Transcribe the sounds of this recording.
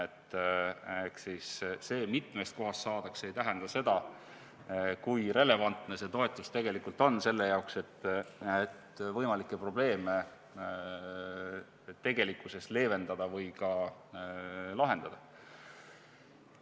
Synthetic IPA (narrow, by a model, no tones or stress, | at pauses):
et̪ː | eksisːe̞ːmit̪ːˑmest̪ko̞ɦɑst̪sɑːd̪̥ɑkse̞jt̪æɦænd̪̥ɑse̞d̪ɑ | kujre̞le̞vɑnt̪ne̞se̞t̪o̞e̞t̪ːˑust̪e̞ɡ̥e̞likːˑult̪ːˑo̞nːse̞lːe̞jɑokse̞t̪ːet̪vɤ̞jmɑlikːˑe̞pro̞ble̞ːme̞ | t̪e̞ɡ̥e̞likːˑuse̞sle̞ːve̞nd̪̥ɑd̪̥ɑvɤjkɑ | lɑɦe̞nd̪̥ɑd̪̥ɑ